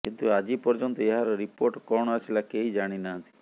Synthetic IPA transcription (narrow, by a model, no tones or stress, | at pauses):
kint̪uad͡ʒipɔɾd͡ʒɔnt̪ɔeɦaɾɾipoɾʈkɔɳ̃asilakeid͡ʒaɽ̃inaɦə̃t̪i̥